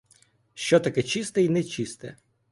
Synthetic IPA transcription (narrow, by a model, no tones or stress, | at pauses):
ʃt͡ʃɔt̪ɐkɛt͡ʃist̪ɛinɛt͡ʃist̪ɛ̰